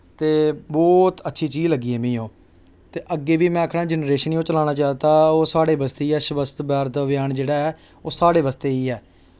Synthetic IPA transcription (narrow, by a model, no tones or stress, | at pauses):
t̪eːbɔːt̪ətːʃʰiːt͡ʃiːzləɡːiːɛːmĩːõː | t̪eːʔəɡːeːʋiːmɛ̃ːkʰɽãːd͡ʒənɾeːʃənijõːt͡ʃəlaːnaːt͡ʃaːt̪aːoːsaːɽeːbəst̪eiːɛːʃʊʋəst̪bɛːɾt̪ʋjaːnd͡ʒeːɽaːɛː | oːsaːɽeːʋəst̪eːiːɛː